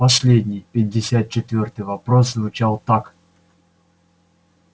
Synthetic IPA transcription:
pɐsʲlʲedʲnʲɪjpʲɪdʲːɪsʲat̪̚t͡ɕɪt̪vʲort̪ɨjvɐpɾos̬zvʊt͡ɕalˠt̪ak

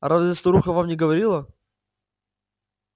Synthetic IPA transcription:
ɾazvʲɪst̪oɾuxəvamnʲɪɡəvɐɾʲilˠə

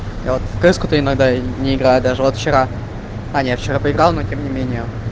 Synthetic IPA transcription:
javot̪kɨskʊt̪əɪnɐɡd̪anʲɪɪɡɾajʊt̪d̪aʐɨvot̪ft͡ɕɪɾa | ɐnʲjaft͡ɕɪɾapəɪɡɾalˠnotʲemnʲɪmʲenʲɪjə

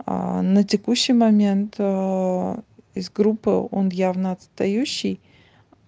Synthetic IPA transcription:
nətʲɪkuɕːɪjmɐmʲent̪ | ɪzɡɾupːɨ̰o̞̰njavnəɐt̪st̪ɐjuɕːɪj

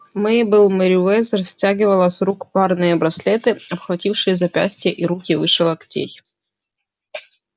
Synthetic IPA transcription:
mɨbɨlˠməɾʲɪɛsrɐsʲtʲæɡʲɪvəlˠəsɾukparnɨjəbɾɐsʲlʲet̪ɨɐpxvɐtʲifʂɨjəzɐpʲæ̰sʲtʲɪjəʔiɾukʲɪvɨʂɨlˠɐktʲḛj

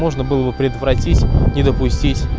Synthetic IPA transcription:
mo̞ʐnəbɨlˠəbɨpɾʲɪd̪vɾɐtʲitʲnʲɪd̪əpʊsʲtʲitʲ

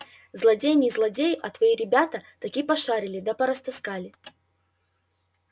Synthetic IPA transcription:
zlˠɐdʲejnʲɪzlˠɐdʲejʔɐt̪vɐiɾʲɪbʲat̪ɐt̪ɐkʲipɐʂaɾʲɪlʲɪd̪ɐpɐɾɐst̪ɨskalʲɪ

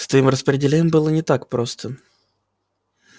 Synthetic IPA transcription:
st̪vəimrəspɾʲɪdʲɪlʲenʲɪmbɨlˠənʲɪt̪akpɾost̪ʰə

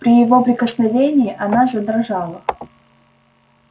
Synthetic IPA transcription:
pɾʲɪjɪvo̞pɾʲɪkəsnɐvʲenʲɪjːʔɐnaʐɨd̪ɾɐʐɑlˠə

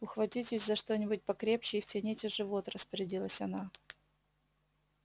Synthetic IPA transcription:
ʊxvɐtʲitʲɪsʲzɐʂt̪o̞nʲɪbʊt̚ʲpɐkɾʲe̞pɕɪftʲɪnʲetʲɪʐɨvo̞t̪rəspəɾʲɪdʲilˠəsʲɐna

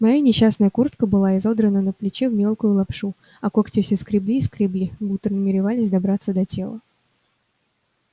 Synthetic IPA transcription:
mɐjanʲɪɕːasnəjəkurt̪kəbɨlˠaɪzo̞d̪ɾənənəplʲɪt͡ɕevmʲe̞lˠkʊjʊlˠɐpʂu | ɐkoktʲɪfsʲɪskɾʲɪblʲiːskɾʲɪblʲibut̪ɾnəmʲɪɾʲɪvalʲɪsʲd̪ɐbɾat̪sːəd̪ɐtʲe̞lˠə

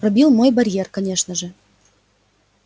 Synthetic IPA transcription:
pɾɐbʲilˠmojbɐɾʲjerkɐnʲeʂnəʐə

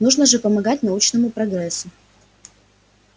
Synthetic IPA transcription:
nuʐnəʐɨpəmɐɡat̚ʲnɐut͡ɕnəmʊpɾɐɡɾɛsːʊ

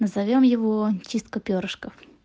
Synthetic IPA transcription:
nəzɐvʲomjɪvot͡ɕist̪kəpʲoɾəʂkəf

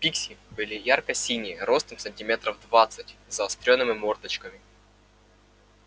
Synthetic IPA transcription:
pʲiksʲɪbɨlʲɪjarkəjsʲinʲɪəɾo̞st̪əmsənʲtʲɪmʲe̞t̪ɾəvd̪vat̪sɨtʲzɐɐsp̪ɾʲonːɨmʲɪmort̪ət͡ɕkəmʲɪ

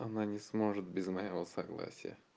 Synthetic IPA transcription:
ɐnanʲɪsmo̞ʐɨt̪̚bʲɪzmɐjɪvosɐɡlˠa̰sʲɪjə̰

